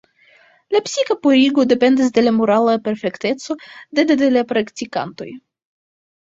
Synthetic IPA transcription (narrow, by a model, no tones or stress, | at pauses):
lapsikapoɾiɡo̞de̞pe̞ndis̬de̞lamoɾalape̞ɾfe̞kte̞so̞dededelapɾaktika̰nto̞̰j